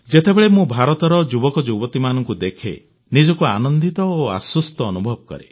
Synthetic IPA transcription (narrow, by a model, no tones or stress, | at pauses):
d͡ʒet̪ebeɭemũbʱaɾɔt̪ɔɾɔd͡ʒubɔkɔd͡ʒubɔt̪imanɔŋkud̪ekʰḛ | nid͡ʒɔkuanɔnd̪it̪ɔoa̰swust̪ɔːnubʱɔb̚kɔ̰ɾe